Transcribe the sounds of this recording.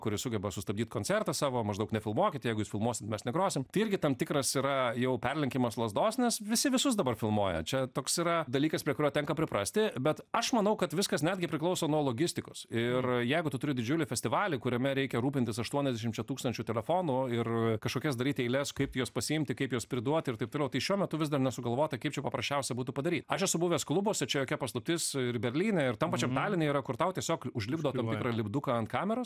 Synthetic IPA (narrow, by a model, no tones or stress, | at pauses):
kʊɾʲɪsʊɡʲɛbɐsʊst̪ɐb̚ʲd̪ʲiːt̪koːnʲt͡sʲɛrt̪ɐsɑːʋoːmɐʒd̪ɐʊknʲɛfʲɪlˠmuɔkʲɪt̪ʲjɛɪɡʊjuːsfʲɪlˠmuɔsʲɪt̪mʲɛsnʲɛɡɾoːsʲɪmt̪ɐɪɪɾʲɡʲɪt̪ɐmt̪ʲɪkɾɐsiːɾɐjɛʊpʲɛrʲlʲɛŋʲkʲɪmɐslˠɐzd̪oːsnʲɛsʋʲɪsʲɪʋʲɪsʊsd̪ɐbɐrfʲɪlˠmuɔjɛ̰t͡ʃʲɛt̪oːksiɾɐd̪ɐlʲiːkɐspʲɾʲiɛkʊɾʲoːtʲɛŋkɐpʲɾʲɪpɾɐsʲt̪ʲɪbʲɛt̪ɐʃmɐnɐʊkɐt̪ʋʲɪskɐsnʲæːd̪ʲɡʲɪpɾʲɪklˠɐʊsoːnuɔlˠoːɡʲɪsʲt̪ʲɪkosɪrjɛɪɡʊt̪ʊt̪ʊɾʲɪdʲɪd͡ʒʲʊlʲɪfʲɛsʲt̪ʲɪʋɑːlʲɪkʊɾʲɛmʲɛɾʲɛɪkʲɛɾuːpʲɪnʲt̪ʲɪsɐʃt̪uɔnʲɛzd̪ʲæɛʃʲɪmt͡ʃʲɛt̪uːkst̪ɐnʲt͡ʃʲut̪ʲɛlʲɛfoːnuɪrkɐʃkoːkʲɛsd̪ɐɾʲiːt̪ʲɛɪlʲɛskɐɪp̚t̪ʲjoːspɐsʲɪɪmʲt̪ʲɪkɐɪpjoːspʲɾʲɪd̪uɔt̪ʲɪrt̪ɐɪpt̪oːlʲɛʊt̪ɐɪʃʲuɔmʲɛt̪ʊʋʲɪzd̪ɐrnʲɛsʊɡɐlˠʋoːjt̪ɐkɐɪpt͡ʃʲɛpɐpɾɐsʲt͡ʃʲɛʊsʲɛbuːt̪ʊpɐd̪ɐɾʲiːt̪ɐʃjɛsʊbʊʋʲeːsklˠʊboɔsʲɛt͡ʃʲɛjoːkʲɛpɐslˠʊp̚ʲt̪ʲɪsɪɾbʲɛɾʲlʲiːnʲɛɪrt̪ɐmpɑːt͡ʃʲɛmt̪ɑːlʲɪnʲeiːɾɐkʊɾt̪ɐʊt̪ʲiɛsʲoːkʊʒʲlʲɪbd̪oːɐmt̪ɪkɾɐlʲɪbd̪ʊkɐɐnt̪̚kɑːmʲɛɾoːs